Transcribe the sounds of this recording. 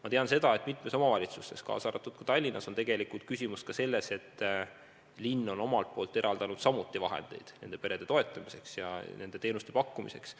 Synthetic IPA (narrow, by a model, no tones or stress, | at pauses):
mɑt̪eɑnse̞d̪ɑe̞t̪ˑmit̪ˑme̞so̞mɑvɑlʲit̪sust̪ːe̞skɑ̰ːsɑːɾɑt̪ːˑud̪̥̚kɑ̥t̪ɑlʲːinʔɑso̞nt̪e̞ɡe̞likult̪̚kysʲimust̪kɑse̞lːe̞se̞t̪ː | linːo̞no̞mɑlt̪̚po̞ːlt̪ːe̞ɾʔɑld̪̥ɑnud̪̥sɑmut̪ːˑivɑɦḛnd̪̥e̞̰jd̪̥ne̞nd̪epe̞ɾe̞d̪e̞t̪o̞e̞t̪ˑːɑmise̞ksjɑ̰ne̞nd̪et̪e̞ːnust̪e̞pɑkːumḭse̞ks